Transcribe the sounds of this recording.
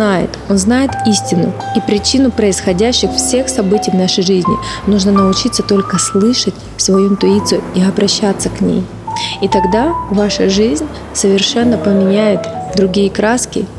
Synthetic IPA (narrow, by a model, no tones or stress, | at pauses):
ajɪ̰t̪o̞nznajɪt̪isʲtʲɪnʊ̰ipɾʲɪt͡ɕinʊpɾəɪsxɐdʲæɕːɪxfsʲe̞xsɐbɨtʲɪjvnaʂəjʐɨzʲnʲɪ̰nuʐnənəʊt͡ɕit̪sːət̪o̞lʲkəslˠɨʂətʲ | svɐjuɪnt̪ʊit̪sɨjʊiɐbɾɐɕːat̪sːəknʲḛj | it̪ɐɡd̪avaʂəʐɨzʲnʲ | səvʲɪrʂɛnːəpəmʲɪnʲæjɪt̪d̪ɾʊɡʲijəkɾaskʲɪ̰